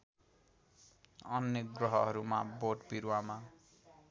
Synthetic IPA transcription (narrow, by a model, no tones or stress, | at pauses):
ʌnjeɡrʌɦʌɦʌɾuma̰boʈbiɾwama